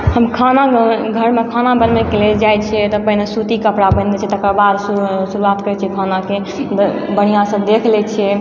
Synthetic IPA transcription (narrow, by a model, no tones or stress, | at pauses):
həmkʰanaɡʱəɾmekʰanabənmekeled͡ʒajt͡ʃʰɛt̪ɔpəɦnesut̪ikəpɽabə̃net͡ʃʰɛt̪əkəɾbad̪susuɾuat̪kəɾɛt͡ʃʰɛkʰanake | bəɽ̤̃ijãsə̃d̪ekʰlɛt͡ʃʰɛ